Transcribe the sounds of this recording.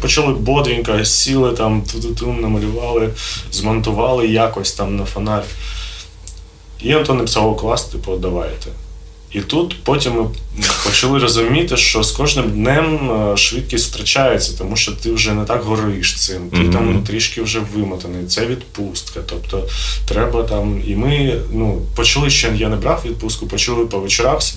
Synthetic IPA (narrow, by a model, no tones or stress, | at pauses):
pɔt͡ʃɐlˠɪbɔd̪ʋʲinʲkɐsʲilˠɪt̪ɑmt̪ut̪ʊt̪umnɐmɐlʲʊʋɑlˠɪzmɔnt̪ʊʋɑlˠɪjakɔsʲt̪ɑmnɐfɐnɑlʲi | jint̪ɔnepɪ̥sɑlˠɔklˠɑst̪t̪ɪpɔd̪ɐʋɑjt̪ɛ | it̪ut̪pɔtʲimːɪpɔt͡ʃɐlˠɪɾɔzʊmʲit̪ɪʃt͡ʃɔskɔʒnɪmd̪nɛmʃʋɪt̪̚kʲisʲft̪ɾɐt͡ʃajet͡sʲːɐt̪ɔmuʃt͡ʃɔt̪ɪwʒɛnɛt̪ɑkɦɔɾɪʃt̪sɪmt̪it̪amnʊt̪ɾʲiʃkɪwʒɛʋɪmɐt̪ɐnɔit̪sɛʋʲid̪pust̪kɐt̪ɔpt̪ɔt̪ɾɛbɐt̪ɑmimɪnupɔt͡ʃɐlˠɪʃt͡ʃɔjinjanɛbɾɑfʋʲid̪̚pust̪kʊpɔt͡ʃɐlˠɪpɔʋet͡ʃɪɾɑwsʲɐ̥